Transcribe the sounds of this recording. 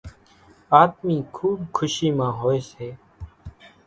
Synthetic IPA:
aːt̪miːkʰuːbkʰʊʃiːmãːɦoːeːseː

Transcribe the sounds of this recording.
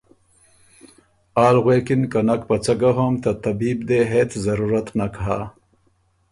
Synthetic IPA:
aːlɣweːkinkanɐkpɐt͡sɐɡaɦomt̪at̪ɐbiːbd̪eɦeːt͡szɐɾuːɾat̪nakɦa̰

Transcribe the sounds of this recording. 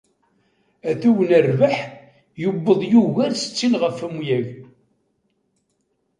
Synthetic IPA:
æθuwənərvaħ | jəbːəðˤjuɣæɾsə̥t͡sːinʁəfəmjæʝ

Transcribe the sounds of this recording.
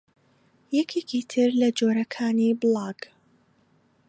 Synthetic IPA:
jɛkʰekit̪ʰɨɾlɐd͡ʒoːɾɐkʰaːnibɨlˠɑːɡ̥

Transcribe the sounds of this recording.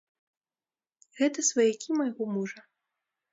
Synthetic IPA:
ɣɛt̪ɐsvɐjakʲʰimɐjɣɔmuʐɐ

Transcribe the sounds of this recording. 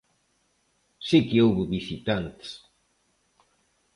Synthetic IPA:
sikɪowβʊβisit̪ant̪s

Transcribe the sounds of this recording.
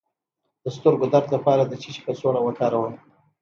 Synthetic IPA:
d̪̥əst̪əɾɡod̪aɾt̪lapɑɾad̪ət͡ʃiʃi̥pət͡soɽawəkɑɾawən

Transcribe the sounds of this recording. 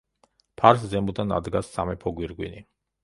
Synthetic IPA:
pʰaɾszɛmud̪ana̰d̪ɡasːamɛpʰɔɡwiɾɡwini

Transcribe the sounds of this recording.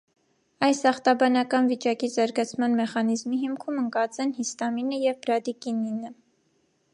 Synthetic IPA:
ɑjsɑχt̪ɑbɑnɑkɑnvit͡ʃɑkizɑɾɡɑt͡sʰmɑnmɛχɑnizmiɦimkʰuməŋkɑt͡sɛnhist̪ɑminəjɛvbɾɑd̪ikininə

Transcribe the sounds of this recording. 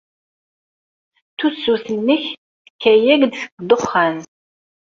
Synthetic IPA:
t̪ut͡sːuθənːəç | θəkːæjæɡd̪sə̥ɡd̪oχːæn

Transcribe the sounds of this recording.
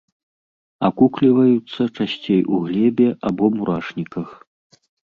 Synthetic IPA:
akuklʲivɐjut̪sːɐt͡ʂasʲt͡sʲejʔuɣlʲɛbʲɛʔabɔmuɾʔaʂnʲikɐx

